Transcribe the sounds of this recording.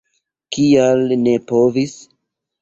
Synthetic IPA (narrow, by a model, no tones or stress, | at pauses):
kialne̞po̞vis